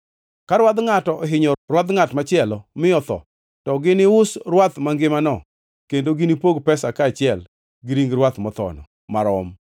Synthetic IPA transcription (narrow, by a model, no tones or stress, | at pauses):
kaɾwad̪ŋatɔɔɦɪɲɔrwad̪ŋatmat͡ʃɪɛlɔmɪɔt̪ɔ̰ | tɔɡɪnɪʊsrwat̪maŋɡɪmanɔ | kendoɡɪnipoɡpɛsakaːt͡ʃɪɛl | ɡɪɾiŋɡɾwat̪mɔt̪ɔ̰nɔ̰ | maɾɔm